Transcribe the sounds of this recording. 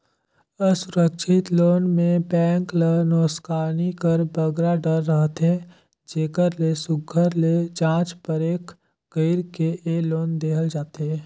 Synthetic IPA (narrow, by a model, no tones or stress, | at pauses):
əsʊɾəkʃɪt̪loːnmẽbɛ̃ːŋklənoːskaːnikəɾbəɡɾaɖəɾːəɦt̪ɦe | d͡ʒeːkəɾlesʊɡʱːəɾled͡ʒãːt͡ʃpəɾeːkʰ | ɡ̥əɪɾkeeloːnd̪eːɦʰəld͡ʒaːt̪ɦɛː